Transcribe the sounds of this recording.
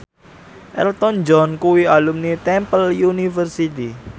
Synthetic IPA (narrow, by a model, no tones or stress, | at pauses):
ʔɛ̰lt̪ɔnd͡ʒɔnkuwialumnit̪ɛmpəljunifərsit̪i